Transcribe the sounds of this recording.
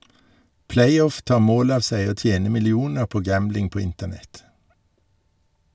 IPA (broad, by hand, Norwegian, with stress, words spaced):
ˈpleɪˌɔf ˈtɑːʁ ˈmoːl ˈɑːʋ ˈsæɪ ˈoː ˈtjeːnə mɪlɪˈuːnəʁ ˈpoː ˈɡæmblɪŋ ˈpoː ˈɪntəˌnɛt